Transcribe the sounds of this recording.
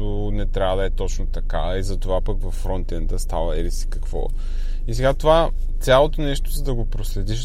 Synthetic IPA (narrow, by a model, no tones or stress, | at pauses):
ʊ | nɛt̪ɾʲavəd̪ɐɛt̪ɔt͡ʃnot̪ɐkaizɐt̪ovapəkvɐfːɾɔnt̪ɛnd̪əst̪a̰vəɛɾisi̥kɐ̥kvɔ̰ | isɛɡat̪ova | t̪sʲalˠot̪onɛʃt̪ozɐd̪ɐɡopɾoslɛd̪iʃ